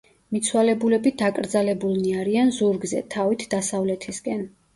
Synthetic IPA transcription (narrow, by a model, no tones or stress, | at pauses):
mit̪sʰwalɛbulɛbid̪akʼɾd̪zalɛbulˠniaɾianzuɾɡzɛ̰t̪ʰavit̪ʰd̪asavlɛt̪ʰiskʼɛn